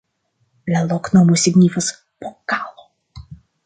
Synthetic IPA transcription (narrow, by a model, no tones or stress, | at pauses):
lʲɛlˠɔknɔmusʲɪɡnʲifɐs | pɔkːalˠɔ